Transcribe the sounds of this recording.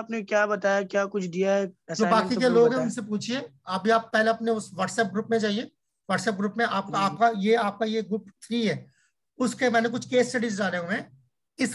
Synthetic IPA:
aːpnekjaːbɐt̪aːjakjaːkʊt͡ʃʰd̪ijaɦɛɛd͡ʒoːbaːkikeloːɡɦɛ̃ʊnsep̬uːt͡ʃʰie | aːp̚bʱiaːpːɛɦleɐpneʊsʋɐːʈsɛp̚ɡɾuːpmẽt͡ʃaːɦie | ʋɐːʈsɛp̚ɡɾuːpmẽʔaːp̚kaaːp̚kajeaːp̚kajeɡɾuːpt̪ʰɾiːɦɛː | ʊskemɛ̃ːnekʊt͡ʃʰkeːsʈɐɖizɖaːleɦũmɛ̃ː | ɪs

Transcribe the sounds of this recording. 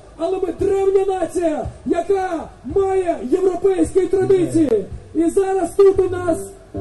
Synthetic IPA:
ɐlˠɛmɪd̪ɾɛwnʲɐnɑt͡sʲijɐjɐkamɑjɛjewɾɔpɛjsʲkijit̪ɾɐd̪ɪt͡sʲijiizɑɾɐst̪ut̪mɪnɑs

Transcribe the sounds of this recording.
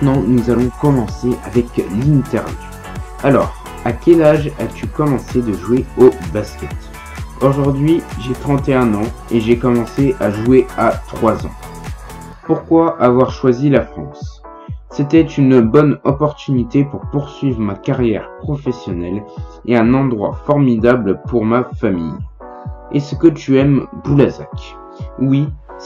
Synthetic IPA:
t̪nɑ̃nuzalɔ̃kɔmɑ̃seʔavɛklint̪ɛʁvjuju | alɔ̰ːʁ | akʲɛlaʒat̪ykɔmɑ̃sed̪əʒweobaskʲɛt̪ | oʒuʁd̪ɥiʒet̪χɑ̃t̪eɛ̃nɑ̃eʒekɔmɑ̃seʔaʒueat̪χwazɑ̰̃ | puʁkwaʔːvwaʁʃwazilafχɑ̰̃sː | ɛt̪ɛt̪ynbɔnɔpɔʁt̪ynit̪epuʁpuʁsɥivʁəmakaʁjɛʁpχɔfɛsjɔnɛleɛ̃nɑ̃d̪ʁwa̰fɔʁmid̪ablpuʁmafamḭj | esəkət̪yɛmbulaza̰k | wi

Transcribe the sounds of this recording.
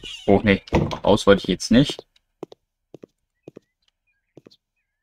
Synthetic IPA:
ʔoːxneːʔa̰ʊsv̥ɔtɪçjɛt͡stnɪçt

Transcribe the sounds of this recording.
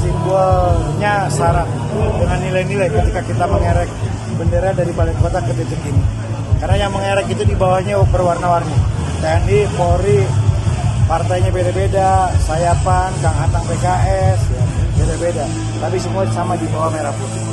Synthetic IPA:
simbəlɲasaɾaʔ | dəŋanːilajnilajkət̪ikakit̪aməŋeɾɛk̚ | bəndeɾadaɾipalɪŋkot̪akət̪ət̪əkini | karnajaŋməŋeɾɛkit̪udibawaɲabərwarnawarnat̪aandikoɾi | part̪ajɲabedabedasajapankaŋanak̚pekaʔɛsjabedabeda | t̪apisəmuasamadibawahmeɾapɔt

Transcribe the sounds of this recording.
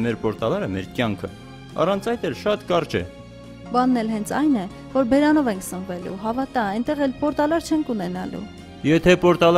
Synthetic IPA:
mɛɾpɔɾt̪ɑlɑɾəmɛɾkjɑŋkʰə̰ | ɑ̰rɑnt͡sʰɑjt̪ɛlʃɑt̪kɑɾt͡ʃʰɛ̰ | bɑnːɛlɦɛnt͡sʰɑjnɛ | vɔɾbɛɾɑnɔvɛŋkʰsəɱvɛlṵɦɑvɑt̪ɑɛnt̪ɛʁɛlpɔɾt̪ɑlɑɾt͡ʃʰɛŋkʰunɛnɑ̰lṵ | jɛt̪ʰɛpɔɾt̪ɑl

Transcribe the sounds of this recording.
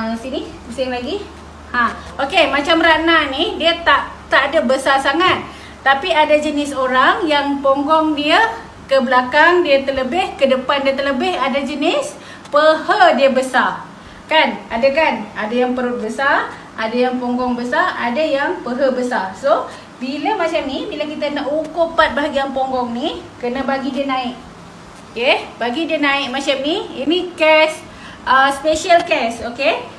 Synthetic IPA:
sini | bəsɪŋlaɡi | hã | ʔokemat͡ʃamɾananidiət̪aʔt̪aʔadabəsarsaŋat̪̚ː | apiadad͡ʒənɪsoɾaŋjaŋpoŋɡɔŋdiə | kəbəlakaŋdiət̪ərləbɪhkədəpandiət̪ərləbɪhadad͡ʒənɪs | pəhədiəbəsar | kanadakanadajaŋpəɾut̪̚bəsar | ʔadajaŋpɔŋɡɔŋbəsarʔadajaŋpəɦəbəsarso | bilamat͡ʃamnibilakit̪anaʔukʊpat̪̚baɦaɡijaŋpɔŋɡɔŋnikənabaɡidiənãɪk | okebaɡidiənãɪk̚mat͡ʃamniḭnikɛs | əspeʃalkɛsoke

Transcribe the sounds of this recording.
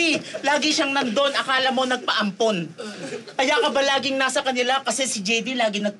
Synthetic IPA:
ilaːɡɪʃaŋnɐnd̪o̞nʔɐkaːlɐmo̞nɐɡ̚pɐʔɐmpo̞n | kɐjaːkɐbɐlaːɡɪŋnasɐkɐnɪlakɐsɛsɪd͡ʒɛjd̪ilaːɡɪnɐɡ̚p

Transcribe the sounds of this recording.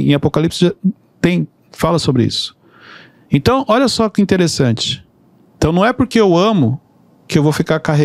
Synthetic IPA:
ḛ̃apokalipsɪʒa | t̪ẽj̃ | falɐsobɾɪḭsʊ̥ | ẽt̪ɐ̃w̃ɔʎɐsɔkɪĩt̪eɾesɐ̃t͡ʃɪ̥ | ẽt̪ɐ̃w̃nɐ̃w̃ɛpoɾkeewɐ̃mʊ | kɪewvofikaɾkaɦe

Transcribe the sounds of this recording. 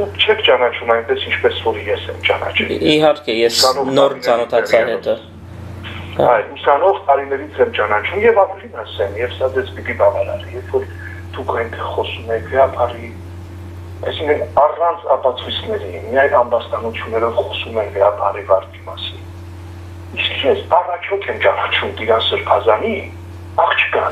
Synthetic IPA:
ut͡ʃʰɛkʰt͡ʃɑnɑt͡ʃʰumɑjnpɛsint͡ʃʰpɛsvɔɾjɛsɛmt͡ʃɑnɑ̰t͡ʃʰɛiɦɑɾkɛjɛssɑnɔnɔɾt͡sɑnɔt̪ʰɑt͡sʰɑɛt̪ɔ | ɑjusɑnɔʁt̪ɑɾinɛɾit͡sʰɛmt͡ʃɑnɑt͡ʃʰumjɛvɑmɛnlinɑsɛnjɛvsɑd͡zɛt͡spit̪ibɑvɑɾɑ̰ɾjɛvfɔɾ | d̪̥ukʰɑjint̪ʰɛʁχɔsumɛkʰvəɾɑpʰɑri | ɑjsiŋkʰənɑrɑnt͡sʰɑpɑt͡sʰujt͡sʰnɛɾimijɑjnɑmbɑst̪ɑnut͡sʰjunːɛɾɔvχɔsumɛnɡəɾɑpʰɑrivɑɾt̪ʰimɑsin | iskʰjɛsɑrɑt͡ʃʰɔk̪ʰɛmt͡ʃɑnɑt͡ʃʰumt̪iɾɑsəɾpʰɑzɑni | ɑχt͡ʃʰə̥kɑ

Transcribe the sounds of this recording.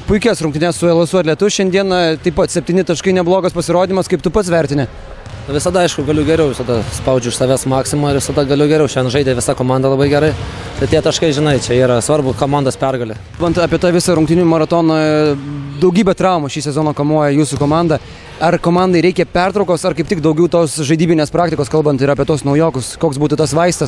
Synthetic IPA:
pʊɪkʲɛsɾʊŋkt̪ʲɪnʲɛssʊɛlˠɐsʊɐtlʲɛt̪ʊʃʲɛnd̪ʲiɛnɐt̪ɐɪpɐt̪sʲɛp̚ʲt̪ʲiːnʲɪt̪ɐʃkɐɪnʲɛblˠoːɡɐspɐsʲɪɾoːd̪ʲɪnʲɪmɐskɐɪp̚t̪ʊpɐt̪sʋʲɛɾʲt̪ʲɪnʲɛ | noʋʲɪsɐd̪ɐɐɪʃkʊɡɐlʲʊɡʲɛɾʲɛʊʋʲɪsɐd̪ɐspɐʊd͡ʒʲʊɪʃsɑːʋʲæsmɑːksʲɪmoːɪʋʲɪsɐd̪ɐɡɐlʲʊɡʲɛɾʲɛʊʃʲɛnʒɐɪdʲeːʋʲɪsɑkoːmɑˑnd̪ɐlˠɐbɐɪɡʲɛɾɐɪ | t̪ɐɪt̪ʲiɛt̪ɐʃkɐɪʒʲɪnɐɪt͡ʃʲɛiːɾɐsʋɐɾbʊkoːmɑnd̪ɐspʲɛrɡɐlʲe | bɐnt̪ɑːpʲiɛt̪ɑːʋʲɪsɐɾʊŋkt̪ʲɪnʲʊmɐɾɐt̪oːnɐ | d̪ɐʊɡʲiːbʲɛt̪ɾɑʊmɐʃʲiːsʲɛzoːnoːkɐmuɔjɛjuːsʊkoːmɑnd̪ɐ | ɐrkoːmɑnd̪ɐɪɾʲɛɪkʲɛpʲɛrt̪ɾɐʊkoːsɐrkɐɪptʲɪkd̪ɐʊɡʲɛʊt̪oːsʒɐɪd̪ʲiːbʲɪnʲeːspɾɑːkt̪ʲɪkoːskɐlˠbɐnt̪ɪɾɐːpʲiɛt̪uɔsnɐʊjoːkʊskoːksbuːt̪ʊt̪ɐsʋɐɪst̪ɐs

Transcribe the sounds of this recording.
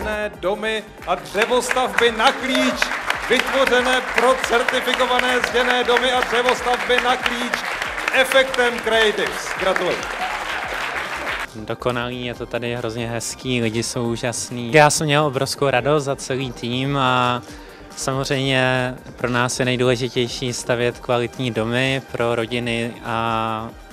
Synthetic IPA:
nɛːdo̞mɪ | ʔadrɛvo̞st̪avbɪnakliːt͡ʃvɪt̪vo̞rɛnɛːpɾo̞t͡sɛɾt̪ɪfɪko̞vanɛːzʒɛnɛːdo̞mɪadr̥ɛvo̞st̪avbɪnakliːt͡ʃ | sʔɛfɛkt̪ɛmkɾaɪd̪ɪfsɡɾat̪ulɪ | do̞ko̞naliːjɛt̪o̞t̪adɪɦɾo̞zɲɛɦɛskiːlɪɟɪso̞wʔuːʒasniːjaːsɛmɲɛlʔo̞bɾo̞fskowɾadost̪zat͡sɛliːt̪iːma | samor̝ɛjmɲɛpɾo̞naːsjɛnɛjduːlɛʒɪcɛjʃiːst̪avjɛt̪kvalɪt̪ɲiːdo̞mɪpɾʔo̞ɾo̞ɟɪnɪʔa

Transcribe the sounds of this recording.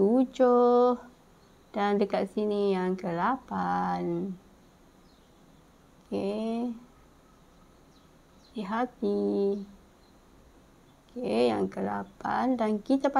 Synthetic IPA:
ud͡ʒʊh | d̥andəkat̪̚sinijaŋkəlapan | ke | siɦat̪i | kejaŋkəla̰pa̰ndankit̪apa

